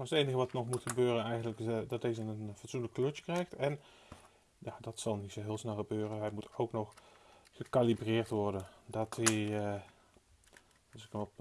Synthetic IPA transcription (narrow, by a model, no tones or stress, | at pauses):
aətejnəɣəʋɑtnɔxmutxəbøːrənɛjɣəndləkdɔt̚dezəənənfɔtsunələkløtjə̥krɛjxtɛn | jaːdɔtsɑlˠnitsoɦɪːlˠsnɛlˠxəbøːrənɦɛjmutowknɔxxəkalibrɪːrtʋɔrdəndɔti | sɪkənɔ